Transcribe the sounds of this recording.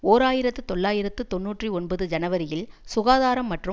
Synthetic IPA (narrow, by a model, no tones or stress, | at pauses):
oːɾaːjɪɾɐt̪ːɯt̪ɔɭːaːjɪɾɐt̪ːɯt̪ɔnːuːʈriɔɳbɐðɯd͡ʒɐnɐʋɐɾɪjɪlsʊɣaːðaːɾɐmːɐʈrɯ